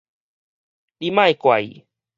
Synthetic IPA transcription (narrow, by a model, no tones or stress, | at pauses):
ɾɪmajkwa̰j